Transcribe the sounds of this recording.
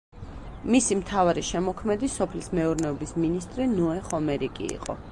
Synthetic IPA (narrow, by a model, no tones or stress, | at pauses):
misimt̪ʰavaɾiʃɛmɔkʰmɛd̪isɔpʰlismɛuɾnɛɔbisminist̪ʼɾinɔɛχɔmɛɾikʼḭḭqʼɔ̰